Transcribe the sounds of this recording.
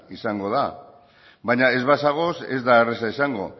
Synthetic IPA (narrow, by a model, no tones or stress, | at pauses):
isaŋɡo̞ð̞a | baɲae̞zβasaɣ̞o̞se̞̰zd̪aeres̬aisaŋɡo̞̰